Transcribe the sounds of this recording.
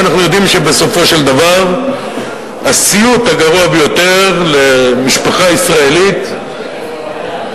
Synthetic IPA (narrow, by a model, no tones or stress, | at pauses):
naχnujo̞d̪imʃe̞be̞so̞fo̞ʃe̞ld̪avaʁ | asiut̪aɡaʁuabejo̞t̪e̞ʁlemiʃpaχaisʁae̞lit̪